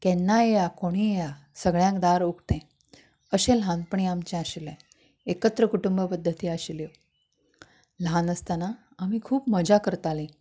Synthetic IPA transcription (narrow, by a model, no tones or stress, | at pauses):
kɛ̃nːaejakoɽ̃ieja | səɡɭjãŋkd̪aɾukt̪ɛ̃ | əɕẽlɦãnpəɳ̃iamt͡ɕɛ̃aɕilẽ | ekət̪ɾəkuʈumbəpəd̪ʱːət̪iːaɕiljo | lɦanəst̪anaː | mikʰuːpməd͡ʑakəɾt̪alĩ